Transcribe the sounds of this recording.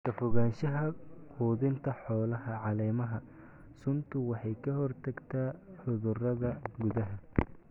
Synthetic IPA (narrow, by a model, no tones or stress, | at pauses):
t̪ʰɐfɔɣaːnʃɐɦɐquːðɪnt̪ʰɐħɔːlɐɦɐʕɑlɛːmɐɦɐ | sʊnt̪ʰʊwɑħɑjkʰɐhɔrt̪ʰɐɡt̪ʰaːħʊðʊrɐðɐɡʊðɐɦɐ